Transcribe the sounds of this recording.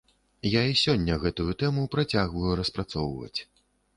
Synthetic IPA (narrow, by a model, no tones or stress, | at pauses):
jaisʲɔnʲːɐɣɛt̪ujut̪ɛmupɾat͡sʲaɣvɐjuɾɐspɾat̪sɔwvɐ̰t͡sʲ